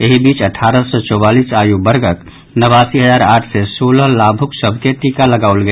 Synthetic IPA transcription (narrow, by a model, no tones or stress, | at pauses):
eɦibiːt͡ʃəʈʰaɾəsɔt͡ʃɔbalisajubəɾɡək | nəβasiɦəzaːɾaːʈʰsesoləɦlabʱuksəbʱket̪ikaləɡaolɡə